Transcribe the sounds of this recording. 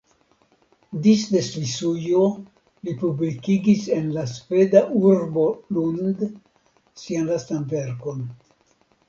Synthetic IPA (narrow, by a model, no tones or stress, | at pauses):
disde̞svisujo | lipublikiɡise̞nlasfe̞daʔuɾbo̞lund | sianlastanve̞ɾko̞n